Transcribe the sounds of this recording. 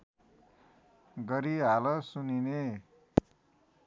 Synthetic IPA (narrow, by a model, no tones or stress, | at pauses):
ɡʌɾiɦalʌsunine